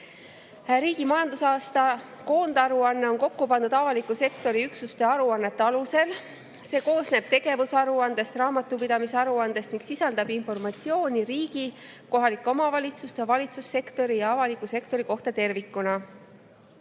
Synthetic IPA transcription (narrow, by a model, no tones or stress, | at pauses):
ɾiːɡimɑjɑnd̪̥usɑːst̪ɑ | ko̞ːnd̪̥ɑɾuɑnːe̞o̞nko̞kːupɑnd̪ud̪̥ɑvɑlikːˑuse̞kt̪o̞ɾiyksust̪e̞ɑɾuɑnːe̞t̪ːeɑluse̞l | se̞ːko̞ːsne̞b̥̚t̪e̞ɡe̞vusɑɾuɑnd̪e̞st̪rɑːmɑt̪ːˑupid̪ɑmiseɑɾuɑnd̪̥e̞st̪niŋɡ̥sisɑld̪̥ɑbinfo̞rmɑt̪sio̞ːnʲiɾiːɡ̥i | ko̞ɦɑlikːˑomɑvɑlʲit̪sust̪evɑlʲit̪susːe̞kt̪o̞ɾijɑɑvɑlikːˑuse̞kt̪o̞ɾiko̞ht̪ɑt̪e̞rvikːˑunɑ